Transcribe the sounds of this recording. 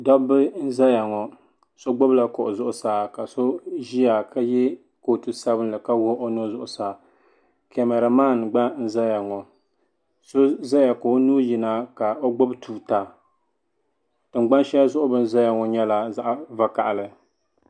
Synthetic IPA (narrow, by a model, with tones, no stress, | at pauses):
dɔ˦bɨ˦n̩˦za˦ja˨ŋɔ˨ | so˦ɡ͡bʊ˦bla˨ko˨ʔʊ˨zʊ˦ʔʊ˨saː˨ka˨so˦ʒi˦ja˨ka˦jɛ˦ | ko˨tɨ˨sa˦bɨ˦n˦lɨ˨ka˦wo˦ʔo˦no˦zʊ˨ʔʊ˨saː˨ | kɛ˨mɛ˨ɾa˨maː˦n˨ɡ͡ba˦n̩˦za˦ja˨ŋɔ˨ | so˦za˦ja˨ko˨˦nuː˦ji˨na˦ka˨o˦ɡ͡bo˦btʰuː˨ta˨ | tɨ˨ŋ͡mɡ͡ba˦nʃɛ˦ja˦zʊ˦ʔʊ˦bɨ˨n̩˦za˦ja˨ŋɔ˨ɲɛ˦la˨za˦ʔva˨ka˨ʔa˨lɨ˨